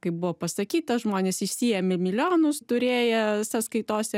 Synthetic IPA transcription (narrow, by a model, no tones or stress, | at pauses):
kɐɪp̚bʊʋoːpɐsɐkʲiːt̪ɐʒmoːnʲeːsɪʃʲsʲijɛmʲɪmʲɪlʲoːnʊst̪ʊɾʲeːjɛsɐskɐɪt̪oːsʲɛ